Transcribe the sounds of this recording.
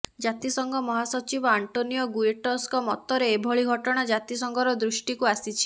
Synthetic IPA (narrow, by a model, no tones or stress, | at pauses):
d͡ʒat̪isɔŋɡʱɔmɔɦasɔt͡ʃibɔaɳʈonijɔɡueʈɔskɔmɔt̪ːɔɾeːbʱɔɭiɡʱɔʈɔɽ̃ad͡ʒat̪isɔŋɡʱɔɾɔd̪ɾusʈikuasit͡ʃʰi̥